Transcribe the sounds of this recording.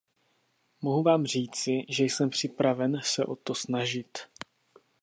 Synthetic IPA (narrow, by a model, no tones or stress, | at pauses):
moɦuvaːmr̝iːt͡sɪʒɛjsɛmpr̝̥ɪpɾavɛnsɛʔo̞̰t̪o̞snaʒɪt̪